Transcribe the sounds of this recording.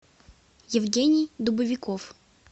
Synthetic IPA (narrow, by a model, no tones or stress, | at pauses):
jɪvɡʲenʲɪjd̪ʊbɨvʲɪkof